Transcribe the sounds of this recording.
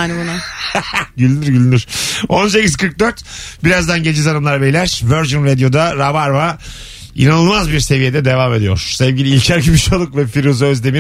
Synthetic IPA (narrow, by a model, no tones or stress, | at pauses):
nbuna | ɟylʲynyɾɟylʲynyɾ̥ond͡ʒeciskʰɯɾk̚d̪øɾt̪biɾazd̪anɟelʲid͡ʒɛzaɾɯmlˠaɾbejlʲæɾ̥vøɾd͡ʒunved̪ijo̞d̪aɾavaɾva | ḭnanɯlˠmazbiɾse̞vijed̪ɛd̪e̞vaːme̞d̪ijo̞̰ɾ̥sevvʲɟilʲiilʲcʰæɾɟibiʃalˠukvɛfiɾuzøzd̪emi